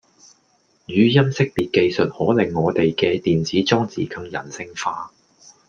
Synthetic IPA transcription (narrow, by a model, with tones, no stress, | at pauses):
jyː˨˦jɐ˥msɪ˥k̚piː˨t̚ke˧jsɵ˨t̚hɔː˨˥lɪ˨˩ŋːɔː˨˧t̪e˨jkɛː˧t̪iː˨nt͡siː˨˥t͡sɔː˥ŋt͡sḭː˨kɐ˧ŋjɐ̰˨˩nsɪ˧ŋfaː˧